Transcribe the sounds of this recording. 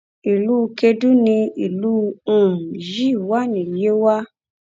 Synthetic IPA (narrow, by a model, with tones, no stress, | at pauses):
i˨lu˦˧ke˧du˦nĩ˧i˨lu˦˧ũ˨ji˦˨wa˦˨nĩ˨je˨˦wa˦